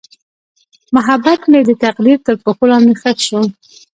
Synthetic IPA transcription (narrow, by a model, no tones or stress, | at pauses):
mʊɦabːat̪med̪ət̪aqd̪iɾt̪əɾpoxolɑnd̪exəkʃu